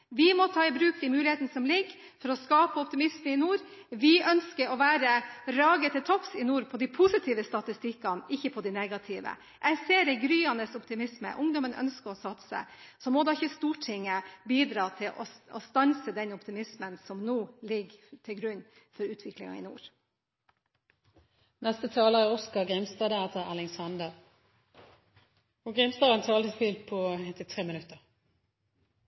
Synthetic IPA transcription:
ʋɪmɔt̪ʰɑːɪbɾʉːk̚d̪imʉːlɪheːt̪ənəsɔmlɪɡː | fɔɾɔskɑːpəɔpt̪ɪmɪsməɪnuːɾ | ʋɪʔœnskəɾɔʋæːɾəɾɑːɡət̪ɪlt̪ʰɔfsɪnuːɾpʰɔd̪ɪpʰʊsɪt̪ʰiːʋəst̪ɑt̪ɪst̪ɪkːɑnɪçːəpʰɔd̪ɪneːɡɑt̪ʰɪːʋə̰ | ʔɛseːɾɛɡɾyːɑnəsɔpt̪ɪmɪsmə̰ʔʊŋd̪ɔmənœ̰nskəɾɔsɑt̪sə̰sɔmɔd̪ɑɪçːəst̪uːʈʰɪŋːəbiːd̪ɾɑːt̪ʰɪlʔɔ̰ɔ̰st̪ɑnsəd̪ɛnɔpt̪ɪmɪsmənsɔmnuːlɪɡt̪ʰɪɡɾʉɲː | fɔɾʉːt̪ʰʋɪklɪ̰ŋɑ̰ɪ̰nṵːɾ | nɛst̪ət̪ʰɑːləʁɪɔskɑɡʁɪmst̪ɑd̪əæt̪əælɪŋsɑnd̪əʁ | ʊɡʁɪmst̪ɑɛnt̪ʰɑːlt̪ɪsfilt̪pʰɔɛt̪ɪt̪ʰʁeːmɪnʉt̪ːəʁ

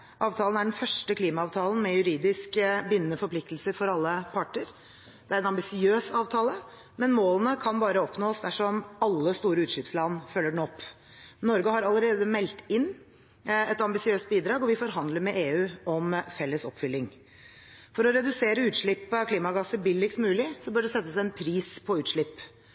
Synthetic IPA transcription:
ʔɑːʋt̪ʰɑːlənæɖɛnfœʂʈəkʰliːmɑɑːʋt̪ʰɑːlən̩mɛjʉɾiːd̪ɪskəbʏnːəfɔɾpʰlɪk̚t̪lsəɾfɔɾɑlːəpʰɑʈːəɾ | d̪̥ɛæɾɛnɑmbɪsɪøːsɑːʋt̪ʰɑːlə | mɛnmoːlənəkʰɑnbɑːɾəɔpnoːsd̪æʂɔmɑlːəst̪uːɾəʉːt̪ʂɭɪpslɑnfœlːəɖɛɳ̩ɔpː | nɔɾɡəɦɑɾɑləɾeːd̪əmɛlt̪ɪnː | ɛt̪ɑmbɪsɪøːst̪̚biːd̪ɾɑːɡɔʋɪfɔɾɦɑnd̪ləɾmɛʔeːʉːɔmfɛlːəsɔpːfʏlːɪŋ | fɔɾɔɾɛd̪ʉseːɾəʉːt̪ʂɭɪpːəkʰliːmɑɡɑsəɾbɪləlɪkst̪mʉːlɪsɔbœːɖɛsɛt̪ːəsæɪɛnpʰɾiːspʰɔʉːt̪ʂɭɪpː

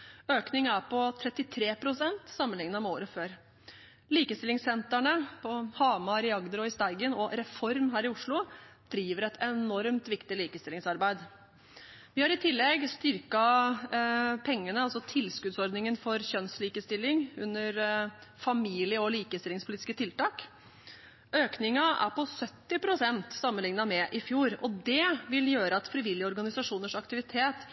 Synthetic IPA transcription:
øːknɪŋæɾpɔt̪ʰɾɛt̪ːɪt̪ʰɾeːpʰɾʊsɛnt̪sɑmːənɪŋnəɔmoːɾəføːɾ | liːkəst̪ɪlɪŋsɛnt̪æɳəpʰɔhɑːmɑɾɪɑɡd̪əɾɔɪst̪æɪɡənɔɾɛfɔɾmɦæːɾɪʊʂɭʊd̪̥ɾiːʋəɾɛt̪ʰɛnɔɾmt̪ʋɪkt̪ɪliːkəst̪ɪlɪŋsɑɾbæɪd̪ | ʋɪhɑɾɪt̪ʰɪlːɛɡst̪ʏɾkɑ | pʰɛŋːənəɑlsɔt̪ʰɪlskʉd̪sɔɾd̪nɪŋənfɔɾɕœnsliːkəst̪ɪlːɪŋʉnːəɾfɑmiːlɪəɔliːkəst̪ɪlɪŋspʊliːɪ̥skət̪ʰɪlt̪ɑːk | øːknɪŋɑʔæ̰ɾpɔsœt̪ːɪpʰɾʊsɛnt̪sɑmːənlɪŋnɑmɛʔɪfjuːɾɔd̪ɛʋɪljøːɾəɑt̪fɾɪʋɪljəɔɾɡɑnɪsɑʂuːnəʂɑkt̪ɪʋɪt̪ʰeːt̪

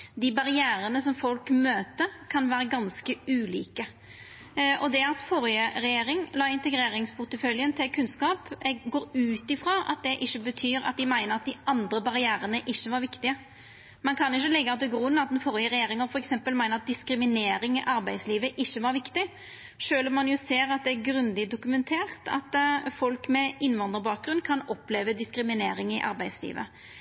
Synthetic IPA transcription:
d̪ɪbɑɾɪæːɾənəsɔmfɔlkmøːt̪əkʰɑnʋæːɾəɡɑnskəʉːlḭːkə | ʔɔd̪ɛɑt̪fɔɾjəɾɛjeːɾɪŋlɑːɪnt̪ɛɡɾeːɾɪŋspʰʊt̪əfœljənt̪ʰɪlkʰʉnskɑːpɛɡɡoːɾʉːt̪ɪfɾɑːʔɑ̰t̪̚d̪ɛʔɪçːəbət̪ʰyːɾɑ̰t̪̚d̪ɪmæɪnəɾɑt̪̚d̪ɪʔɑnd̪ɾəbɑɾɪæːɾənəʔɪçːəʋɑɾʋɪkt̪ɪə | mɑnkʰɑnɪçːəlɛɡːəɑt̪̚d̪ɛɡʁuːnɑt̪̚d̪ɛnfɔɾjəɾɛjeːɾɪŋəɾfɔɾɛksɛmpəlmæɪnəɾɑt̪̚d̪ɪskɾɪmɪneːɾɪŋɪʔɑɾbæɪd̪sliːʋəʔɪçːəʋɑɾʋɪkt̪ɪ | ʃøːlɔmːɑnjʊseːɾɑt̪̚d̪ɛæɾɡɾʉnd̪ɪd̪ʊkʉmɛnt̪ʰeːʁt̪ʰɑ̰t̪fɔlkmɛɪnʋɑnd̪əʁbɑːk̚ɡɾʉnːkʰɑnɔpleːʋəd̪ɪskɾɪmɪneːɾɪŋɪʔɑ̰ɾbæɪslḭːʋə̰

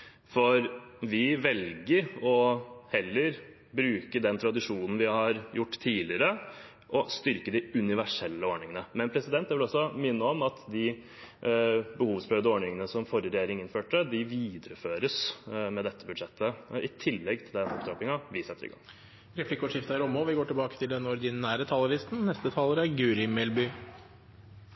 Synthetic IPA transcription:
fɔɾʋɪʋɛlɡəɾɔhɛlːəɾ | bɾʉːkəd̪ɛnt̪ʰɾɑd̪ɪʂuːnn̩ʋɪhɑɾjʊʈːt̪ʰiːlɪəɾə | ʔɔst̪ʏɾkəd̪ɪʉnɪʋæʂɛlːəoːɳɪŋənəmɛnpʰɾɛsɪd̪ɛnt̪jɛæʋɪlɔsːɔmɪnːəɔmɑt̪d̪ɪ | bəhuːʋsbɾœːʋd̪əoːɳɪŋənəsɔmfɔɾəɾɛjeːɾɪŋɪnføːʈəd̪ɪʋiːd̪əɾəføːɾəsmɛd̪ɛt̪ʰːəbʉd̪ʂɛt̪ʰːəɪt̪ʰɪlːɛɡt̪ʰɪld̪ɛnɔ̰pd̪ɾɑːpɪŋɑʋɪsɛt̪ːəɾɪ̰ɡɑ̰ŋ | ɾɛflɪkʊʂɪft̪əæɾɔmːoʋɪɡoːʈɪlbɑːkə̥t̪ʰɪld̪ɛnɔɾd̪ɪnːæːɾət̪ʰɑːlɾɪst̪n̩nɛst̪ət̪ʰɑːləɾæɾɡʉːɾɪmɛlbʏ

